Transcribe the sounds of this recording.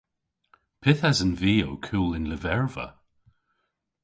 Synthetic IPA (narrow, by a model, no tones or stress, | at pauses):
pʰɪθazənviːo̰wkʰuːlɪnləvɛɹvə̰